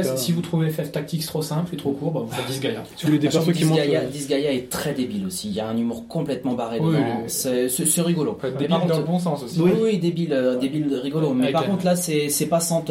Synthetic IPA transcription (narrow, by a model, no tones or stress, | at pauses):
ɛsivut̪χuvefɛft̪ak̚t̪ikt̪χosɛ̃plet̪χokuʁbavufɛt̪̚d̪izɡajasuled̪̃diɡajad̪izɡajaɛt̪χɛd̪ebilosiːljaɛ̃nymuʁkɔ̃plɛt̪mɑ̃baʁessɛsɛsɛʁiɡɔloebikɔ̃d̪bɔ̃sɑ̃sosiwiwid̪ebilød̪ebilʁiɡɔlomɛpaʁkɔ̃t̪χlasɛsɛpasɑ̃t̪